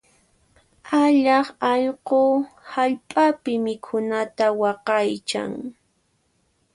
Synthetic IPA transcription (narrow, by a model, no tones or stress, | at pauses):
aʎɑχɑʎqohaʎpʼapɪmɪkʰʊnat̪awɑqɑjt͡ʃa̰ŋ